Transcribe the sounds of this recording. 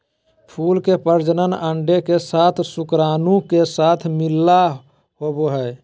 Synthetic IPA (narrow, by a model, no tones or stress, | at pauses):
pʰuːlkepəɾd͡ʒənənəɳɖekesat̪ʰsukɾaːnukesat̪ʰmilːa | ɦoboɦə